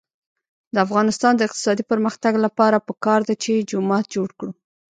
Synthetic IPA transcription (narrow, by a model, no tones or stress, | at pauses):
d̪əafɣɑnɪst̪ɑnd̪əɪqt̪ɪ̥sɑd̪ipəɾməxt̪aɡlapɑɾapəkɑɾd̪at͡ʃed͡ʒʊmɑt̪̚d͡ʒoɽkɽu